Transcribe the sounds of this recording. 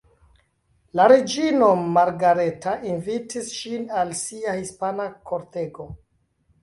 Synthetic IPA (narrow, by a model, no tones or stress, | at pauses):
laɾed͡ʒino̞maɾɡaɾe̞tainvitisʃinalsiahispanakʰoɾteɡo̞